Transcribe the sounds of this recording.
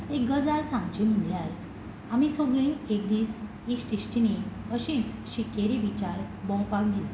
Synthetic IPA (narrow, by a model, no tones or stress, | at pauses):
ek̚ɡəd͡zaɾsãmt͡ɕim̤uɳljal | amisoɡɭĩekd̪iːs | iksʈisʈini | əɕĩt͡sɕikeɾiʋit͡ɕaɾbɔ̃wpak̚ɡ̪il